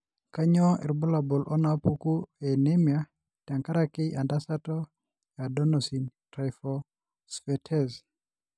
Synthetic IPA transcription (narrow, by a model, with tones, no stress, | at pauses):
ka˦ɲɔ˦ɛ̰˨ɾbɔ˦la˨bɔ˨lʔɔ˦na˦pu˦ku˦e˨ne˦mja˨ | ta˨ŋka˦ɾa˦kɪ˦ʔa˨nda˦sa˦tɔ˦ | ja˨dɔ˦nosi˨ntɾa˨jfɔ˨ | sfɛ˨tʰɛ˦z